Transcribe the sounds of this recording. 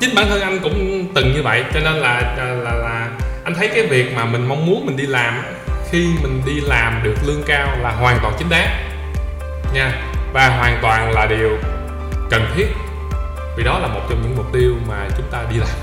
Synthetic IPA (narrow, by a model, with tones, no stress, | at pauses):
t͡ɕï˨˦ŋ̟ɓaː˧˩nhəː˧nʔa˧jŋ̟kʊ̰˧˥ŋ͡mt̪ɨ˨˩ŋɲɨ˧və̰˧˨jt͡ɕɔ˧ne˧nlaː˨˩˨laː˨˩laː˨˩ʔa˧jŋ̟t̪ʰə˨˦jkaː˨˦jvi˨˩ək̚maː˨˩mï˨˩ŋ̟ma˧wŋ͡mmu˨˦ənmï˨˩ŋ̟ɗi˧laː˨˩mʔ | xi˧mï˨˩ŋ̟ɗi˧laː˨˩mɗɨ˨˩ək̚lɨ˧əŋkaː˧wlaː˨˩ɦwaː˨˩ŋt̪waː˨˩nt͡ɕï˨˦ŋ̟ɗaː˨˦˥ | ɲaː˧ | vaː˨˩ɦwaː˨˩nt̪waː˨˩nlaː˨˩ɗi˨˩əw | kə˨˩mt̪ʰi˦˥ət̚ | vi˨˩ɗɔ˨˦laː˨˩mo˨˩t̚t͡ɕɔ˧ŋ͡mɲɨ̰˧˥ŋmʊ˨˩k͡p̚t̪i˧əwmaː˨˩t͡ɕʊ˨˦ŋ͡mt̪aː˧ɗi˧laː˨˩m